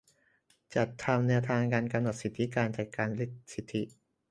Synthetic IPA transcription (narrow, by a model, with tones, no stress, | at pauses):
t͡ɕa˨˩t̪ʰːa˧mnɛː˧wt̪ʰaː˧ŋkaː˧nka˧mno˨˩t̪̚si˨˩t̪ʰːi˦˥kaː˧nt͡ɕaː˨˩k̚kːaː˧nli˦˥k̪̚si˨˩t̪ʰːi˦ʔ